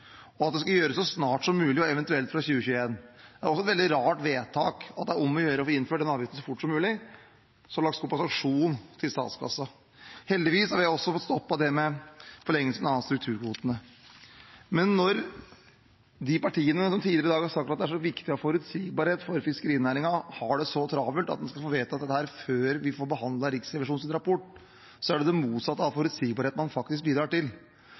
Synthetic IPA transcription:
ɔɑt̪d̪ɛskɑjøːɾəsːɔsnɑːʈsɔmːʉːlɪɔɛʋɛnt̪ʉɛlt̪fɾɑçʉːəçʉːəeːnd̪ɛæɾɔsːɔɛt̪ʋɛlɪɾɑːʈʋeːt̪ʰɑːkɑt̪̚d̪ɛæɾɔmːɔjøːɾəɔfːɾɪnføːɖɛnɑːʋjɪt̪əsɔfʊʈːsɔmːʉːlɪ | sɔɑɭɑkt̪skɔpːɑsɑkʂuːnt̪ʰɪlst̪ɑ̰ːt̪skʰɑ̰sːɑ | hɛld̪ɪʋiːshɑɾʋɪɔsːɔfɔt̪st̪ɔpːɑd̪ɛmɛfɔɭɛŋːəlsənɑst̪ɾʉk̚t̪ʰʉːɾkʰʋuːt̪ənə | mɛnːɔɾ | d̪ɪpɑʈʰiːənəsɔmt̪ʰiːlɪɾəɪd̪ɑːɡhɑʂɑk̚t̪ɑt̪d̪ɛæʂɔʋɪkt̪ɪɔfɔɾʉt̪siːɡbɑːɾheːt̪fɔɾfɪskəɾiːnæːɾɪŋɑhɑɖɛsɔt̪ʰɾɑːbəlt̪ɑ̰t̪d̪ɛnskɑlfoːʋeːt̪ɑt̪d̪ɛt̪ːəhæːɾføːɾʋɪfoːɾbəɦɑnd̪lɑɾɪksɾɛʋɪʂuːnsɪnɾɑpɔʈː | sɔæɖɛd̪ɛmuːt̪sɑt̪ːəɑʋfɔɾʉd̪siːɡ̚bɑɾeːt̪mɑnfɑkt̪ɪsk̚biːd̪ɾɑːʈɪl

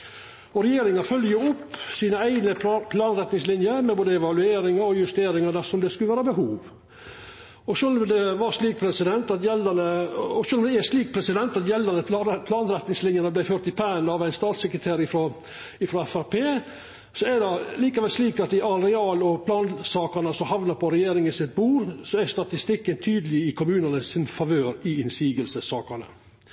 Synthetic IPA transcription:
ɔɾɛjeːɾɪŋɑfœljəɾʊpːsiːnəæɪnəpʰlɑːnɾɛt̪nɪŋslɪnjəɾmɛboːd̪əɛʋɑlʉeːɾɪŋɑɾɔjʉst̪eːɾɪŋɑd̪æsɔmd̪ɛskʉləʋæːɾəbəɦuːʋ | ɔʂølɔmd̪ɛʋɑɾʂliːk̚pʰɾɛsɪd̪ɛnt̪ɑt̪jɛlənəɔʂøːlɔmd̪ɛɛʂliːk̚pʰɾɛsɪd̪ɛnt̪ɑt̪jɛlːənəpʰlɑːnɾɛt̪nɪŋslɪnjɑnəblæɪføːɾt̪ɪpʰænɑʋæɪnst̪ɑːt̪sɛkɾət̪ʰeːɾɪfɾɔ | ɪfɾɔɛfæɾpʰeː | sɔæd̪ɑliːkɑʋɛlsliːkɑt̪ɪʔɑɾɛɑːlɔpʰlɑːnsɑːkɑnəsɔhɑʋnəɾpʰɔɾɛjeːɾɪŋənsɪt̪̚buːɾsɔæst̪ɑt̪ɪst̪ɪkːənt̪ʰyːd̪əlɪɪkʰʊmʉːnɑnəsɪnfɑʋøːɾɪɪnsiːɡəlsəsɑːkɑnə̰

